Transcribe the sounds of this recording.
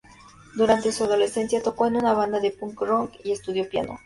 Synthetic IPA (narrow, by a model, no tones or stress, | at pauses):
d̪uɾant̪e̞suað̞o̞le̞se̞nsjat̪o̞ko̞enunaβ̞and̪aðe̞puŋkɾoŋkie̞st̪uðjopja̰no̰